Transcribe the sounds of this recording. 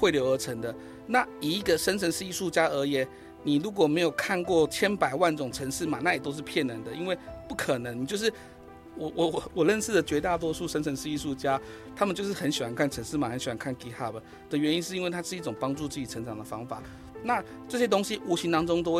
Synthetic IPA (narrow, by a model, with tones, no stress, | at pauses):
xwe˥˩ɪljo˧˥ʊə˧˥ʈ͡ʂʰə˧˥ŋd̪ə˧ | na˥˨i˨˩i˧˥ɡə˨ʂə˥nt͡sʰə˧˥nʂɻ̩˥˧i˥˧ʂu˥˩t͡ɕja˥ə˧˥jɛ˨˩˦n | ni˨˩ɻu˧˥k̬wɔ˨˩me˧˥jo˨˩ʊkʰa˥˧nkwɔ˥˩t͡ɕʰjɛ˥npa˨˩ɪwa˥˩nʈ͡ʂʊ˨˩ŋʈ͡ʂʰə˧˥ŋʂɻ̩˥˩ma˨˩na˥˩jɛ˨˩t̪o˥ʊʂ̬ɻ̩˥˧pʰjɛ˥˩nə˧˥nd̪ə˨i˥nwe˥˧ɪpu˥˩kʰə˨˩nə˧˦ŋni˨˩t͡ɕjo˥˧ʊʂ̬ɻ̩˥˩ | wɔ˨˦wʔɔ˨˦˨wɔ˨˩lə˥˧nsɹ̩˥˩d̪ə˩t͡ɕɥɛ˧˥t̪a˥˩t̪wɔ˥ʂʰu˥˧ʂə˥nʰə˧˦nʂɻ̩˥˧i˥˧ʂu˥˩t͡ɕja˥ | t̪ʰa˥mə˨nt͡ɕjʊʂɻ̩˥˩xə˧˦nɕi˨˩wa˧˦nkʰa˥˩nʈ͡ʂʰə˧˥nʂ̩˥˩ma˨˩xə˧˦nɕi˨˩wa˦nŋkʰa˥˩nki˧˥xa˥˩pə˩ | d̪̥ə˨ɥɛ˧˦ni˦nʂɻ̩˥˩i˥nwe˥˩ɪt̪ʰa˥ʂɻ̩˥˧i˥˩ʈ͡ʂʊ˨˩ŋpɑ˥ŋʈ͡ʂu˥˧t͡sɹ̩˥˩t͡ɕi˨˩ʈ͡ʂʰə˧˥nʈ͡ʂɑ˨˩ŋd̪ə˩fɑ˥ŋfa˨˩˦ | na˥˧ | ʈ͡ʂɤ˥˩ɕjɛ˥t̪o˥ŋɕi˦ʔu˧˥ɕi˧˥nt̪ɑ˥ŋʈ͡ʂʊ˥ŋt̪̬o˥ʊwe˥˨